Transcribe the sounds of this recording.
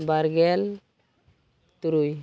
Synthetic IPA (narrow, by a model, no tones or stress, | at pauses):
baɾɡɛl | t̪uɾuj